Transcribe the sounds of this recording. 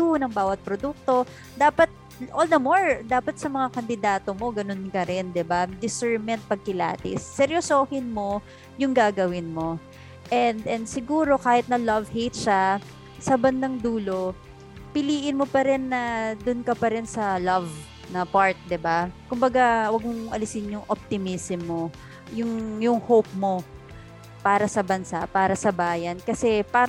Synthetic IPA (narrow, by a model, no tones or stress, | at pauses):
unɐŋbaːwɐt̪̚pɾod̪uk̚t̪o̞ | d̪aːpɐt̪̚ | ʔold̪ɐmoɹd̪aːpɐt̪̚sɐmɐŋakɐnd̪ɪd̪aːt̪o̞mo̞ɡɐno̞nkɐɾɛnd̪ɪbad̪ɪsɛɹmɛnt̪̚pɐɡ̚kɪla̰ːt̪ɪ̰sːɛɾjosohɪnmo̞ | jʊŋɡaːɡɐwɪnmo̞ | ʔɛnd̪ɛnd̪sɪɡuːɾo̞kaːhɪt̪̚nɐlɐvhejt̪̚ʃa | sɐbɐnd̪ɐŋd̪uːlo̞ | pɪliːʔɪnmo̞pɐɾɛnːɐd̪ʊnkɐpɐɾɛnsɐlɐv | nɐpaɹt̪̚d̪ɪbakʊmbɐɡawɐɡ̚moŋʔɐ̰lɪsɪnjʊŋʔop̚t̪ɪmisɪmːo | jʊŋjʊŋhop̚mo̞ | paːɾɐsɐbɐnsapaːɾɐsɐbaːjɐnkɐsɛpaː